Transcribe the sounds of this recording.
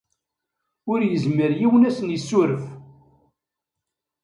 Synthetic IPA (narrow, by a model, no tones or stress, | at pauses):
ʊɾjəzməɾjiwənæsənjəsːʊɾəf